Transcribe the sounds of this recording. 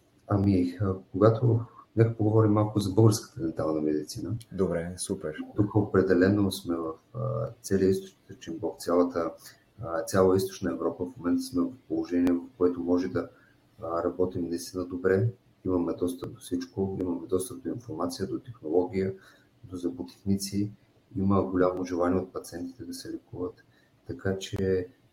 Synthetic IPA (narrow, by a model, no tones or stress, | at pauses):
ɐmikoɡat̪ʰonɛkəpoɡovɔɾimːalˠkʊzɐbɤlˠɡəɾskə̥t̪əd̪ɛnt̪alˠnəmɛd̪it̪sinəd̪obɾɛsupɛɾt̪ukəopɾɛd̪ɛlɛnosmɛvəfə̰t̪sɛlijəist̪ot͡ʃniət̪əɾt͡ʃimbɔkt̪sʲjalˠət̪ə | t̪sʲjalˠəist̪o̥t͡ʃnəɛvɾɔpəfmomɛnt̪əsmɛvɐfpolˠoʒɛniɛvɐfkoɛt̪omɔʒɛd̪ɐ | ɾɐbɔt̪imnɐist̪inəd̪obɾɛ | imɐmɛd̪ɔst̪əp̚d̪ofsit͡ʃkoimɐmɛd̪ɔst̪əp̚d̪oinfoɾmat̪sijəd̪ot̪ɛxnolˠɔɡ̟ʲijə | d̪ozɐpot̪ɛ̥xnit̪si | iməɡolʲamoːʒɛlˠaniɛot̪̚pɐt̪siɛnt̪i̥t̪ɛd̪ɐsɛlɛkuvət̪ː | ɐkat͡ʃɛ